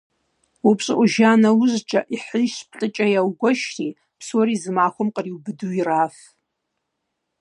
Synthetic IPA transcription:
upɕʼɨʔʷuʒaːnawʊzt͡ʃʼaʔiħəjʃpʰɬʼɨt͡ʃʼajawɡʷaʃri | pʰsoɾizɨmaːxʷʊmqʼəriwbɨduiraːf

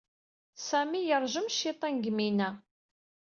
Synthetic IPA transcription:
sæmijəɾˤʒəmʃːit̪ˤɑnɡminæ

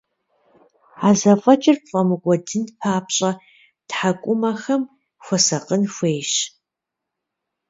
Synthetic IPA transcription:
aːzɐfʼɐt͡ʃʼɪrpfʼɐmɨkʷʼɔdɨnpʰaːpɕʼɐ | tħakʷʼʊmɐxɐm | xʷɔsɐqənxʷeːʃ

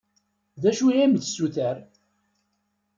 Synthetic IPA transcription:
ðæʃujæmθsːuθæɾ

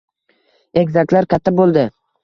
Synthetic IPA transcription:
e̞kʲzakʲlaɾkʲʰat̪ʰːabolˠd̪ɪ

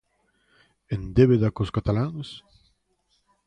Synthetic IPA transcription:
end̪eβeðakoskat̪alaŋs

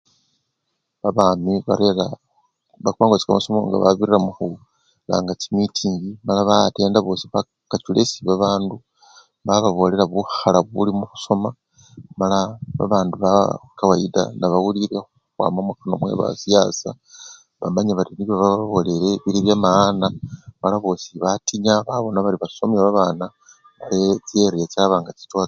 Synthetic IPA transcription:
βaβaːmiβaɾeɾa | βakwaːŋɡot͡si̥ka̰masomo̰ŋɡa̰βa̰βirramuxu | la̰ːŋɡat͡simwitʰiːɲɡimalaβate̞ːndaβo̞siβa | kat͡ʃulesiβaβaːndu | βaβaβo̞le̞ɾaβuxalaβulimuxu̥so̞ma | malaβa̰βaːnduβakawaida̰naβawuliɾe̞xukwa̰ːmamwakano̞̰mwe̞̰βa̰sijasa | βa̰maɲaβatiniβjo̞βaββo̞le̞ɾe̞βiɾiβjamaanamalaβo̞ːsiβatiɲaβaβo̞naβaɾiβaso̞maβaβaːna | βaɾeeɾijet͡ʃaβaːŋɡaci̥to

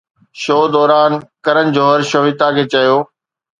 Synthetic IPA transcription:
ʃoːd̪ɔːɾaːnkɐɾənɪ̆d͡ʑoːɦɐɾʃoːɦɪt̪akʰeːt͡ɕɐjoː

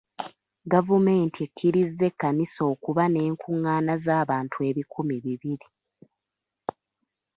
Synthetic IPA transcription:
ɡavume̞ːntiekʰːiɾizːe̞kːaniso̞ːkuβane̞ːŋkʰuŋːaːnazaːβaːntʰue̞ːβikumiβiβiɾi

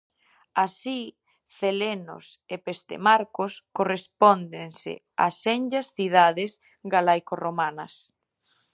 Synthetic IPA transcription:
asi | θeleno̰s | epest̪ḛmaɾkoskorespɔnd̪ensɪ̰ | a̰send͡ʒɐsθið̞aðɪs | ɡalajkoromanɐs

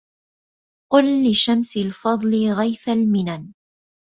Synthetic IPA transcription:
qʊlːɪʃamsɪlfɑd̪ˤlɪɣajθalmɪnan

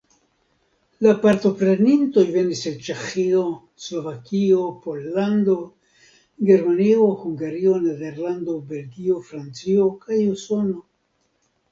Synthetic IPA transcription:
lapaɾto̞pɾe̞ninto̞jve̞nisent͡ʃe̞xio̞ | slo̞vakio̞po̞lːand̪o̞ | ɡe̞ɾmanio̞huŋɡaɾio̞ne̞de̞ɾlando̞be̞lɡio̞fɾant͡sio̞kajuso̞no̞

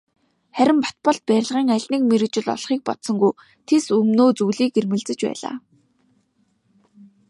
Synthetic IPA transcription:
χæɾʲɪ̆mpḁt̪̚pɔɮt̪̚pæːɾʲɪ̆ɮʁiːŋæɮʲtniːk̚meɾɘ̆k̚t͡ɕɪ̆ɮɔ̰ɮχiːk̚pɔt̪sɞ̆ŋɡuj | t̪ʰesɵmnoːt͡sujɮiːkermɘ̆ɮt͡sɘ̆t͡ɕpæ̰ːɮa̰ː

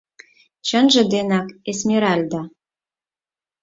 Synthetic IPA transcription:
t͡ɕə̆nʒə̆d̪enɑkesmeɾɑlʲd̪ɑ

